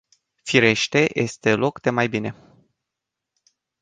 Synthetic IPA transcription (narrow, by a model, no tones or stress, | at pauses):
fiɾe̞ʃt̪e̞jʔe̞st̪e̞lo̞kd̪̥e̞majbine̞